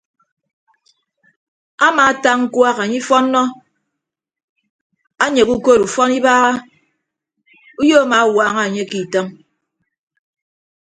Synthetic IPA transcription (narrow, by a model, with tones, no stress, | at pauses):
a˦ma˨˦ta˦ŋŋ̩˦kwa˦ɣa˨ɲi˦fɔ˦nːɔ˦ | a˦ɲe˨ku˦ko˦˨ɾu˨fɔ˦ni˦baː˦ɣa˦ | u˦jo˦a˦˨ma˨˦wa˦ŋa˦˨ɲe˦ki˨tɔ˦m